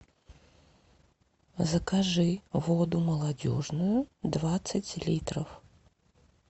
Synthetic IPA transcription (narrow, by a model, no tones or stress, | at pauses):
zɐkaʐɨvod̪uməlˠadʲo̰ʐnujʊd̪vat̪sɨt͡sʲlʲit̪rə̰f